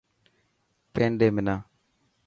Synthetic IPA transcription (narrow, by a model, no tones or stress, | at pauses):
pendemina